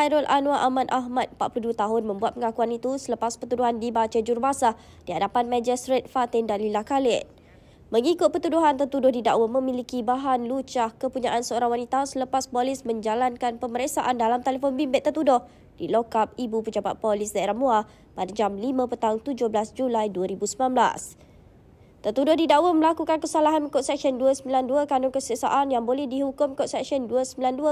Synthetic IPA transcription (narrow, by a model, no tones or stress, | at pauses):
ajɾɔlʔanũaʔamanʔaɦmat̪̚əmpat̪̚puluduət̪aɦʊnmə̃mbuat̪̚pəŋakuanit̪usələpaspərt̪uduɦandibat͡ʃad͡ʒurbasa | d̥iɦadapanmãd͡ʒist̪ɾet̪̚fat̪ɪndanlilakalɪʔ | məŋikʊt̪̚pət̪uduɦant̪ət̪udʊhdidaʔwamə̃milikibaɦanlut͡ʃahkəpuɲaʔansəoɾaŋwanit̪asələpaspolɪsmə̃ɲd͡ʒalankanpəməɾesaʔandalamt̪elefɔnbimbɪt̪ːərt̪udʊh | d̥ilokap̚ibupəd͡ʒaba̰t̪̚polɪsdaeɾahmua | padad͡ʒamlimãpət̪aʊŋt̪ud͡ʒʊhblasd͡ʒulajduəɾibusmilanbla̰s | t̪ət̪udʊhdidaʔwəməlakukankəsalaɦankɔt̪sɛk̚sənduəsəmbilanduəkanʊŋkəsəsa̰ʔanjaŋbolɛhdiɦukʊmkɔʔsɛksiɔnduəsəmbilanduə